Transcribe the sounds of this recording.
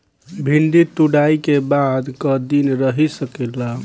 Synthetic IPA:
bʱind̪it̪uɽaikebad̪kəd̪inɾəɦisəkɛla

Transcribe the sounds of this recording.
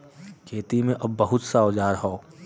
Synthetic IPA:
kʰeːt̪imẽʔɐbːɐɦʊt̪saoːd͡ʒaːɾɦoː

